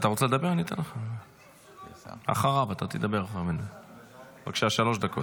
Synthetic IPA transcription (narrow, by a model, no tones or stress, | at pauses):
at̪aʁot͡seled̪abe̞ʁanit̪ḛnleχa | a̰χaʁavat̪at̪ed̪abeʁaχaʁmenu | baɡʃeaʃalo̞ʃd̪ako̞t